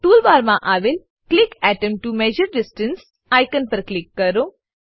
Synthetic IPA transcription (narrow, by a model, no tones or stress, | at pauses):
ʈuːlbaːɾmãʔaːʋel | klɪkɛʈəmʈumɛːd͡ʒəɾɖɪsʈəns | aːjkənpəɾklɪkːɐɾõː